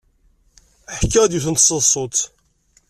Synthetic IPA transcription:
əħkːæd̪juθənt̪sˤəðsˤːot̪

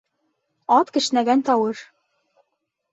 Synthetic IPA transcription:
ɑt̪kɘ̆ʃnæɡænt̪ɒwɤʃ

